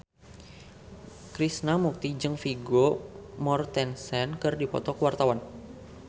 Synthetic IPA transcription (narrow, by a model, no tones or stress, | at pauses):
kɾisnamuk̚t̪id͡ʒɨŋfiɡomɔrt̪ɛnsɛnkɨrdipɔ̰t̪ɔkwart̪awan